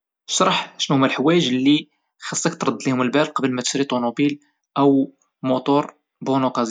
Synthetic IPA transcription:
ʃɑɾˤħʃnhʊmːælħwæjəʒlːi | xɑsˤːɑkt̪ɾˤɑd̪ːlihʊməlbælqɑbəlmæt̪ʃɾit̪ˤunubil | ʔəw | mut̪uɾˤ | bonuqɑz

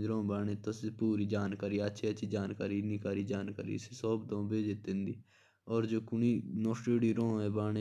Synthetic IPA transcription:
d͡ʒɾõːbaːɳẽːt̪osepuːɾiːd͡ʒaːnkaːɾiːətːʃʰiːət͡ʃʰiːd͡ʒaːnkaːɾiːnikaːɾiːd͡ʒaːnkaːɾḭːsesɔːbd̪õːbeːd͡ʒɪt̪ːɪ̃nd̪iː | ɔːɾd͡ʒoːkʊniːnɔːsʈeːɽiːɾõːɛːbaːɳeː

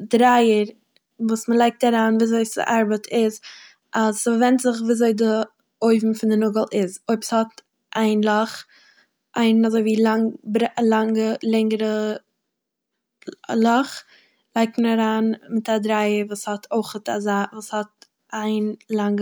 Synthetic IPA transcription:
dɾaɪəɾ | vuːsməlˠaɪk̚taɾaːnviːzoɪsɪ̰ʔaɾbətʰɪz | ʔazvɛntzɪχviːzoɪdɪ | oɪvm̩fɪndɪnʊɡəl̩ˠɪzoɪpshɔt | ʔaɪnlˠɔχ | ʔaɪnazoɪviːlaŋbɾɛlˠaŋɡəlˠɪŋəɾə | lˠɔχ | lˠaɪk̚tməɾaɾaːnmɪtadɾaɪəɾvuːshɔtʰoɪχəta̰zaːvuːshɔt̚ | ʔaɪnlˠaŋɡə

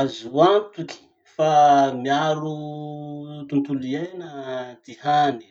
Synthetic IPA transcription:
azuant̪ukʲi̥ | famiaɾu | t̪unt̪ulienəd̪̥ihani̥

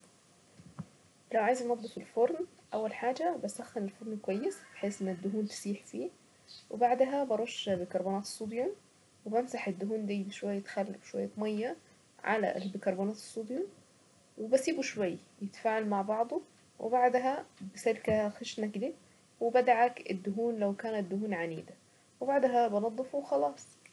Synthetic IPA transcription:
lawʕaːjɪznɑd̪ˤːifilfoɾˤnʔawːalħaːd͡ʒabasæxːɪnɪlfoɾˤnkwajːɪsb̥ɪħeːsʔɪnːɪd̪ːʊɦuːnbɪ̥siːħfiː | wɪbaʕd̪ɦabɑɾˤoʃːbɪkɑɾˤbuːnæːt̪sˤːuːd̪jum | wɪbamsaħɪd̪ːʊɦuːnd̪iːʃwajːt̪xalːɪfʃwa̰jːat̪mɑjːa | ʕa̰la̰ʔlbɪkɑɾˤbuːnaːt̪ɪ̥sˤːud̪jum | wɪbasiːbuʃwajː | jɪt̪faːʕalmaʕbɑʕd̪ˤu | wʔɪ̰baʕd̪ɦabɪsɪlkaxɪʃnakd̪i | wɪbad̪aʕakɪd̪ːʊɦuːnlawkaːnat̪̚d̪ʊhuːnʕaniːd̪a | wɪbaʕd̪ɦabɑnɑd̪ˤːɨfuwxɑlɑːsˤ

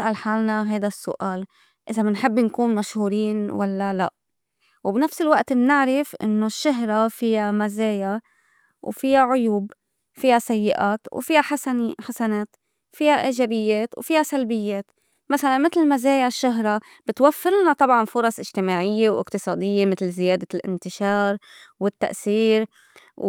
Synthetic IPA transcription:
ʔalħaːlnaɦajd̪asːʊ̰ʔaːl | ʔɪzamɪnħɪbːnkuːnmaʃhuːɾiːnwalːala̰ʔ | wbnafsɪlwaʔt̪bnɪʕɾɪfʔɪ̰nːoʃːaɦɾˤɑfijamazeːja | wfijaʕʊjuːb | fijasajːɪʔaːt̪wfihaħaħasaneːt̪ | fihaʔaʒabɪjːeːt̪wfihasalbɪjːeːt̪ | masalanmɪt̪lmazeːjaʃːʊɦɾˤɑ | b̥ɪt̪wafːɪɾˤnat̪ˤɑbʕɑnfʊɾˤɑsˤʔɪʒt̪ɪmaːʕɪjːewʔɪ̰qt̪ɨsˤɑːd̪ɪjːemɪt̪lzɪjaːd̪alʔɪ̰nt̪ɪʃɑːɾˤwɪt̪ːa̰ʔsiːɾ

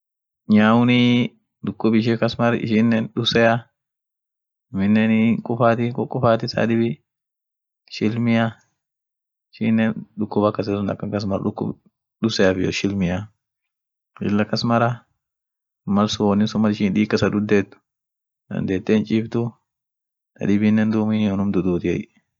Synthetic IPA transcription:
ɲaːwʊnɪ | d̪ʊkːʊbɪʃɪkɐsmɐɾɪ̰ʃɪnːɛnɗʊsɛjɐ | mɪnːɛnkʼʊfaːt̪ɪkʼʊkʼːʊfaːt̪ɪsa̰ːd̪ɪbɪ | ʃɪlmɪja | ɪʃɪnːɛnᶑʊkːʊbɐkːɐs̬ɐsʊnd̪ɐkːɐkɐs̬mɐɾ̰ᶑʊkːʊ̰b | ɗʊsɛjɐfɪjɔ̰ʃɪlmɪjɐ | ʃɪ̰lːɐkːɐsmɐɾɐ | mɐlsʊwɔnːɪsʊmːɐɾɪʃɪːnᶑ̪iːkːɐsɐd̪ʊd̪ːeːt̪ːʊ̥ | d̪ɐ̰nd̪eːt̪ːeːnt͡ʃʼɪːbt̪ʊ | t̪ɐ̰d̪ɪbɪnːɛnd̪uːminɔnʊmd̪ʊd̪uːt̪ɪɛj

